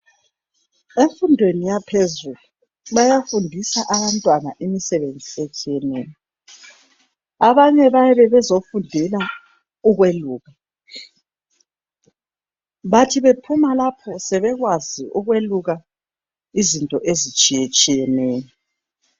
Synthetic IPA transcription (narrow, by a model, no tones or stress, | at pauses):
eɱfundʱwenijapʰezulu | βajafundʱisaʔaβantʼwana̰ʔimisɛβend͡zʱiet͡ʃʼijɛneːjɔ | aβaɲɛβajɛβɛβɛzofundʱila | uɣweluːɣa | βatʰiβepʰumalapʰɔsɛβɛɣwaziʔuɣweluɣa | izintʼɔʔezit͡ʃʼijet͡ʃʼijɛneːjɔ